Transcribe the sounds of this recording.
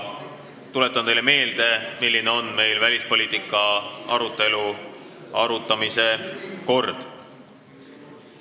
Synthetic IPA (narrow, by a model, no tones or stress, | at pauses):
t̪ule̞t̪ːˑɑnt̪e̞jleme̞ːld̪e̞milːineo̞nːme̞jlvælʲispo̞lʲiːt̪ˑikːˑɑɑ̰ɾut̪ːˑe̞lu | ɑɾut̪ːˑɑmise̞ko̞rd̪̥